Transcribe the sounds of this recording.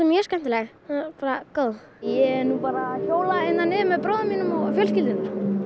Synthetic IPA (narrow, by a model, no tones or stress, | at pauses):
sɛmjɛ̥skɛm̥t̪ɪlɛɣ | paːɾakoːwð | jɛɛɾnupaːɾaçoːwlaejnːanːɪðmɛðpɾɔːðʏmiːnʏmɔɣfjœlscɪlt̪ɪnʏm̥